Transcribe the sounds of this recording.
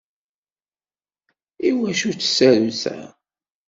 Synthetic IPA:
iwæʃut͡sːə̥sæɾusæ̰

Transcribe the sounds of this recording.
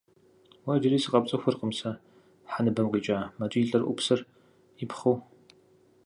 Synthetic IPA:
wɐd͡ʒɪriːsɨqʼɐp̚t͡sʼɐxʷʊrqʼəmsɐ | ħanɨbɐmqiːt͡ʃʼaːmɐt͡ʃʼiɬʼɐrʔʷʊ̰psɐr | ɪpχow

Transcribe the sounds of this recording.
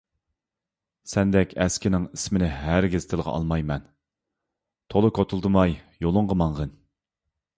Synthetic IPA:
sɛnd̪ɛkʲɛskʲɪnɪŋismɪnɪɦæɾɡʲɪz̥t̪ʰɪlˠʁɑ̰ʔɑ̰lˠmɑjmɛn | t̪ʰolˠɨkʰot̪ʰulˠd̪ɨmɑj | jolˠʊɴʁəmɑɴʁən

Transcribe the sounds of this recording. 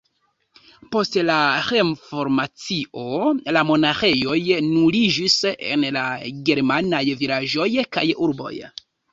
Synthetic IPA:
po̞stlaɾe̞nfo̞ɾmat͡siʔo̞lamo̞naxe̞jo̞jnulid͡ʒisḛnlaɡe̞ɾmanajviɾaʒo̞jka̰juɾbo̞̰j

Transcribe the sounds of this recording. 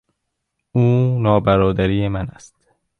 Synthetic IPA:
uːnɒːbæɾɒːd̪æɾiːjemænæst̪

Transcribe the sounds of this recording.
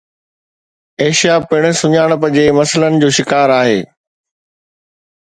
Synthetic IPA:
eːʃijapɪɽ̃̆sʊɲaːɽ̃pɐ̃d͡ʑemɐsələnɪ̆d͡ʑoːʃɪkaːɾaːɦeː

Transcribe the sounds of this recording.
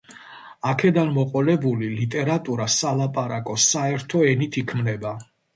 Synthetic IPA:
akʰɛd̪anmɔqʼɔlɛbulilit̪ʼɛɾat̪ʼuɾasalˠapʼaɾakʼɔsaɛɾt̪ʰɔɛnit̪ʰikʰmnɛba

